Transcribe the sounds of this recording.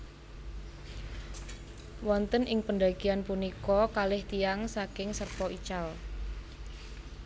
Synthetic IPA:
wɔnt̪ənʔɪŋpəɳɖ̪akianpunikɔkalɪht̪ijaŋsakɪŋsərpɔit͡ʃal

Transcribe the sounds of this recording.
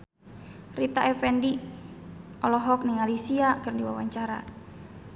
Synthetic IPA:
rit̪aʔɛfɛndi | ɔlɔɦɔk̚niŋalisiakɨrndiwa̰waɲt͡ʃaɾa̰

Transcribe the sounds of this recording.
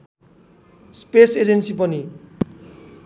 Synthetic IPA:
spesed͡zensipʌni

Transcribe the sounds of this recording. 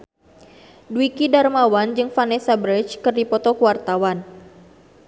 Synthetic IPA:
duwikidarmawand͡ʒɨŋfanɛsabɾit͡ʃkɨrdipɔt̪ɔkuwart̪awan

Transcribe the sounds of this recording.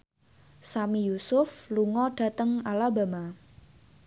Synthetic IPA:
samijusʊfluŋɔɖ̥ä̤t̪əŋalaba̤ma

